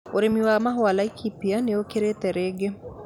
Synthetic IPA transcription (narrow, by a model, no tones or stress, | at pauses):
oɾemiwamaɦwalaikʰipianeokeɾet̪ɛɾeɡe